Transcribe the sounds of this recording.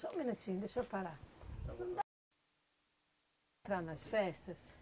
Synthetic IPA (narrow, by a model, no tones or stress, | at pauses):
sɔminot͡ʃind̪esɔpaɾa | nd̪ | t̪ɾanasfɛst̪ɐs